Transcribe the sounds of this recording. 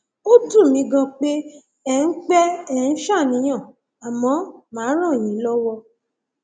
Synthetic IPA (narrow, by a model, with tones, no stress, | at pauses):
o˦dũ˦˨mĩ˨˦ɡã˧k͡pe˦ | ɛ˦n̩˦k͡pɛ˦ɛ̃˦˨˦ʃa˦˨nĩ˨˦j̃ã˦˨ | a˨mɔ̃˨˦mãː˨˦ɾ̃ã˦˨jĩ˨˦lɔ˦wɔ˧